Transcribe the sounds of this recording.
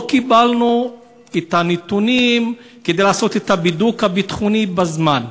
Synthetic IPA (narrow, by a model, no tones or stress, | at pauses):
kibalnu | et̪anet̪unim | ked̪ejlaːso̞t̪et̪abidukhabit̪χunibazman